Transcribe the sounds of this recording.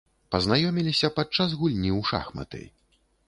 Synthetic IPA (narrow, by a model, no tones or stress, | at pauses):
pɐznajɔmʲilʲisʲɐpat͡ʂːazɣulʲnʲiwʂa̰xmɐ̰t̪ɨ̰j